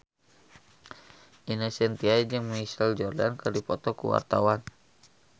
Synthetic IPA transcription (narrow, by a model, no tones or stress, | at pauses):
ʔinasɛnt̪iaid͡ʒəŋməŋisəld͡ʒɔrdankərdipɔt̪ɔkṵwa̰rt̪awan